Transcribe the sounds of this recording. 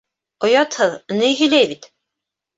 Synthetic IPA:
ŏjɑt̪hɤðnɘjɦɵ̆jlæjβit̪

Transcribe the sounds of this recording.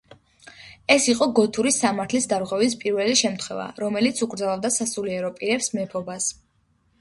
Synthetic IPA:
ɛsiqʼɔɡɔt̪ʰuɾisamaɾt̪ʰlisd̪aɾʁwɛvispʼiɾvɛliʃɛmt̪ʰχwɛ̰va̰ɾɔmɛlit̪sʰukʼɾd̪alˠavd̪asasuliɛɾɔpʼiɾɛpsmɛpʰɔbas

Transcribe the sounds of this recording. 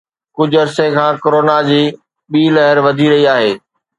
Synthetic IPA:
kʊd͡ʑʱʊɐɾsekʰãːkoɾoːnad͡ʑiː | ɓiːlɐɦɪɾʋɐd̪ʱiɾɐɦiaːɦeː

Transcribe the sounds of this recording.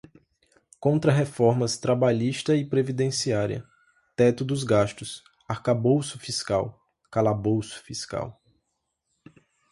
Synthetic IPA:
kõnt̪ɾɐɦefɔɾmɐst̪ɾabaʎiʃt̪ɐɪpɾevid̪ẽsiaɾiɐ̰ | t̪ɛt̪ʊd̪ʊzɡaʃt̪ʊs | aɾkabowsʊfiskaw | kalabowsʊ̥fiska̰w

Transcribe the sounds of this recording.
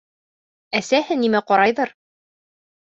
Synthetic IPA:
æsæhɘnimæqɒɾɑjðɤɾ

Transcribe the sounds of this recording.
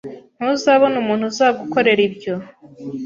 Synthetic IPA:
n̥huzaːβonumuːnhuzaːɡuko̞ɾe̞ɾibjo

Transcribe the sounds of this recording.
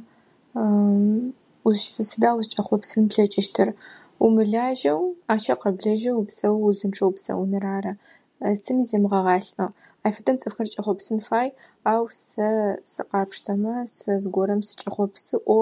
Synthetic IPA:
zʃsɨsɨdaːwzt͡ʃʼɐχʷɔpsɨnpɬɐt͡ʃʼɪʃtʰɨr | umɨɮaːʒɐwaːt͡ʃʰɐqɐbɮɐʒɐwpsɐwzɨnʈ͡ʂʼɐwpsɐ̰wʊnɨraːrɐ | ztʰɨmizeːmɨʁɐʁɑːɬɐ | aːjfɐtʰɐmt͡sʼɨfxɐrt͡ʃʼɐχʷɔpsɨnfaːj | aːwsɐsɨ̰qɑːpʂtʰɐmɐsɐzɡʷɔɾɐmsɨ̥t͡ʃʼɐχʷɔpsɨʔʷɔ

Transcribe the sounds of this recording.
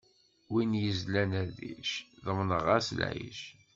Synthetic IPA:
winjəzlænæðḭʃðəmnəʁæsl̰jḭʃ

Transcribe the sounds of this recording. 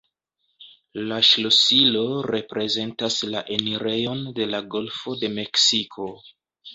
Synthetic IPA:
laʃlosilo̞ɾe̞pɾe̞ze̞ntaslaʔe̞niɾe̞jo̞nde̞laɡo̞lfo̞de̞me̞ksikʰo̞

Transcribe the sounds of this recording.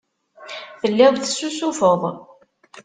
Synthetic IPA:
fəlːɪðˤθsːusufəðˤ

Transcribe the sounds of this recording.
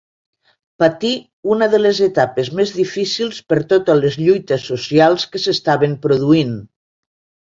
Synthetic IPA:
pat̪i | unəðəlezet̪apezmezðifisilˠspəɾt̪ot̪əlezʎujt̪əsːusialˠskəsest̪aβempɾuðuin

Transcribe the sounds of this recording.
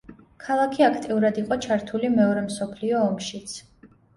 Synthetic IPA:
kʰalˠakʰiakʰt̪ʼiuɾad̪iqʼɔt͡ʃʰaɾt̪ʰulimɛɔɾɛmsɔpʰliɔːmʃit̪sʰ

